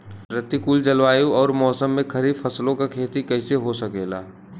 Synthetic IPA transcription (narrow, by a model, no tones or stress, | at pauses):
ɾɪt̪ːikuːld͡ʒɐlʋaːjũɔːɾmɔːsəmːẽkʰɐɾiːd̪fʰɐslõkakʰeːt̪ikɛːɪseɦosɐkeːla̰ː